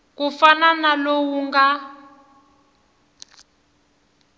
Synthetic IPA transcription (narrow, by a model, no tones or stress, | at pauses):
kufananalowuŋɡa